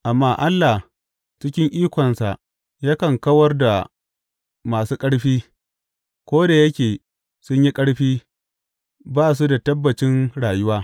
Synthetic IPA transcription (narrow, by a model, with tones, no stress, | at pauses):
ʔa˨mːaː˦ʔa˦lːa˨h | t͡ʃɪ˦kʲɪ˦ŋʔiː˦kʷɔ˨nsa̰˨ʔ | ja˦kɐ˨ŋkɐ˦wɐ˦rda˨ | maː˨suː˦kʼɐ˦ɽɸiː˦ | kʷoː˦da˨jɐ˦kʲeː˨ | sʊ˦ɲji˦kʼɐ˦ɽɸiː˦ | baː˦˨s̬u˦da˨tɐ˦bːɐ˨t͡ʃɪ˦nɽaː˨jʊ˦waː˦